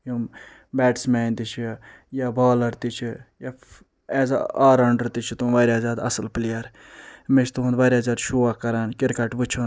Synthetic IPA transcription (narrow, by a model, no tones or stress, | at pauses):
jum | bɛːʈsmɛːnt̪it͡ʃʰi | jabaːlɐɾt̪it͡ʃʰija | ɛːza̰aːɾɐɳɖɐɾt̪it͡ʃʰit̪uʋaːɾʲaːzaːd̪ɐ̰səlplijaɾ | met͡ʃʰt̪uɦund̪ʋaɾʲjaːzʲaːd̪ʃuːakːɐɾaːnkɪɾkɐʈʋɨt͡ʃʰun